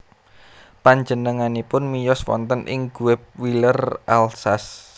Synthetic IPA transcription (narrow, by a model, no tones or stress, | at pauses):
paɲd͡ʒənəŋanipʊnmijɔswɔ̰nt̪ənʔɪ̰ŋɡ̥uwɛp̚wilərʔalsas